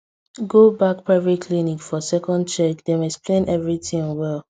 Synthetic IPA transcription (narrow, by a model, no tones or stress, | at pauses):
ɡobak̚pʰɹavikʰlinikfɔsɛkɔ̃nd̚t͡ʃɛkdemɛksplẽnʔɛvɹitĩŋwɛl